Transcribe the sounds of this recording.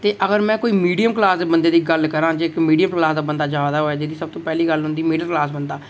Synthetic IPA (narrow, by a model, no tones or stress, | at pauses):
t̪eːʔəɡəɾmɛ̃ːkoːiːmiːɖijəmklaːsbənd̪eːd̪iːɡəlkəɾãːd͡ʒeːɪkmiːɖijəmklaːsd̪aːbənd̪aːd͡ʒaːd̪aːɦoːɛːd͡ʒeːd̪iːsəb̚t̪õːpɛːliːɡəlɦʊ̃nd̪iːmiːɖijəmklaːsbənd̪aː